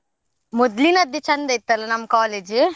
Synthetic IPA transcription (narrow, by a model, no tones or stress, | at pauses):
mʊd̪linɐd̪it͡ʃɐnd̪ɐjt̪ːɐlɐnɐmkaːled͡ʒɯ